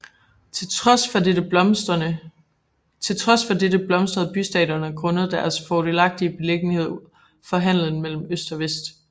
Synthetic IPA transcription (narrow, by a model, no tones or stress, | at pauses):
f | t͡sʰe̝lt͡sʰʁɒ̽sfɒ̽ded̥əb̥lɒ̽msd̥ʁɐð̩ˠb̥ysd̥ɛ̰ːɾɐnəækʰʁɔ̽nəð̩ˠd̥æɐsfɒd̥e̝lɑ̈ɡ̥̚d̥iəb̥e̝leɡ̥nihe̝ð̰ˠ | fɒ̽ɦæn̰lən̩mel̰m̩øsd̥ɒ̽ʋesd̥